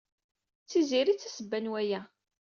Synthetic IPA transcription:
t͡sːiziɾit͡sːæsəbːænwæjæ

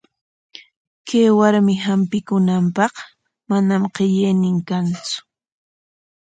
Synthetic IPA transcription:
kaːwaɾmɪɦampɪkʊnampɑχ | manamqeʎejnɪŋkant͡sʊ̥

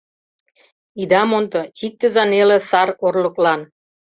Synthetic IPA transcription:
id̪ɑmont̪ŏt̪ʲik̚t̪ːə̆zɑnelĕsɑrkorlə̆klɑn

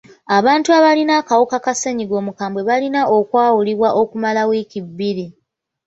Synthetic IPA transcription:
aβaːntuaβalinakawukakaseɲiɡo̞ːmukaːmbwe̞βalinaʔo̞kwaːwuliβwaʔo̞kumalawiːkibːiɾi

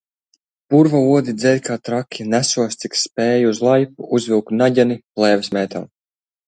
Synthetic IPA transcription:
puɾvauɔd̪id̪zɛlʲkaːt̪ɾakʰʲːinæsuɔst̪sikspɛːjuzlˠajpuuzvʲilˠkt̪naɟʲaniplˠɛːvɛsmɛːt̪am

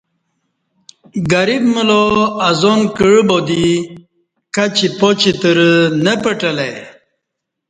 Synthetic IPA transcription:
ɡaɾibməloazonkəɻbod̪i | kat͡ɕipot͡ɕit̪əɾənəpəʈəlaj

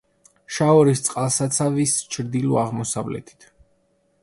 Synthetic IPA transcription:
ʃaɔɾist̪sʼqʼalˠsat̪sʰavist͡ʃʰɾd̪ilɔaʁmɔsavlɛ̰t̪ʰi̥t̪ʰ

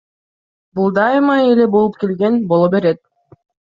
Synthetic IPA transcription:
bulˠd̪ɑjmɑele̞bolˠup̚ke̞lɡe̞nbo̞lˠobe̞ɾet̪̚

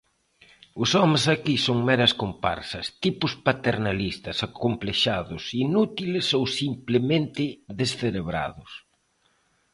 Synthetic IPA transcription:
ʊsɔmesakisoŋmɛɾɐskompa̰ɾsɐst̪ipʊspat̪eɾnalist̪ɐsakompleʃaðʊsinut̪ilɪsowsimplement̪ɪðesθeɾeβɾa̰ðʊs

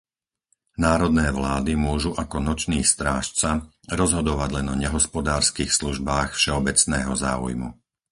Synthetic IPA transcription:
naːɾɔd̪nɛːʋlaːd̪imʊɔʒuʔakɔnɔt͡ʃniːst̪ɾaːʃt͡sa | ɾɔzɦɔd̪ɔʋaɟlɛnɔɲɛɦɔspɔd̪aːɾskiːxsluʒbaːxfʃɛɔbɛt͡snɛːɦɔza̰ːṵjmṵ

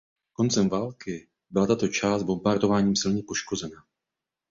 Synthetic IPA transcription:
ko̞nt͡sɛmvaːlkɪ | bɪlat̪at̪o̞t͡ʃaːst̪̚bo̞mbat̪o̞vaːɲiːmsɪlɲɛpo̞ʃko̞zɛna

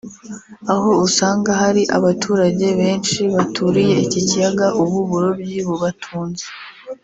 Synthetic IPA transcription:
aho̞usaːŋɡahaɾiʔaβatʰuːɾaɟe̞βe̞ːnʃiβatʰuɾije̞icicijaɡaʔuβuβuɾo̞bɟiβuβatʰuːnze

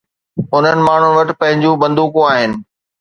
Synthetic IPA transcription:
ʊn̤ənɪ̆maːɳ̤ʊnɪ̆ʋɐʈɪ̆pɐ̃ɦɪ̃ɲd͡ʑũbɐ̃nd̪uːkũaːɦɪnɪ̆

